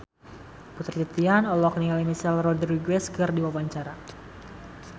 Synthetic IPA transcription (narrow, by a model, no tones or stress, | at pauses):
put̪rt͡ʃit̪ianɔlɔk̚nialimisɛlrɔdriɡwɛskɨrdiwawaɲt͡ʃaɾa